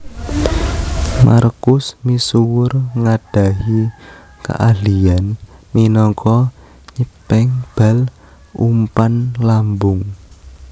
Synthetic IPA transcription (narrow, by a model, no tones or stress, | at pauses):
ma̰rkʊsmisuwʊrŋaɖ̥a̤ɦi | ka̰ʔalianminɔŋkʰɔ | ɲəpɛŋb̥a̤l | ṵmpanlambʊŋ